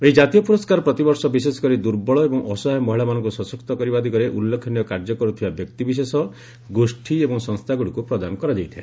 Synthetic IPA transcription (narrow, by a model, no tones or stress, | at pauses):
eid͡ʒat̪ijɔpuɾɔskaɾɔpɾɔt̪ibɔɾsɔbisesɔ̥kɔɾid̪uɾbɔɭɔebɔŋʔɔsɔɦɔmɔɦiɭamanɔ̃ŋkusɔsɔkt̪ɔkɔɾibad̪ʱikɔɾeʔulːekʰɔnijɔkaɾd͡ʒɔkɔɾut̪ʰibabjɔkt̪ibis̬esɔ | ɡosʈʰiebɔŋsɔ̃ŋst̪ʰaɡuɽikupɾɔd̪anɔkɔɾad͡ʒajt̪ʰae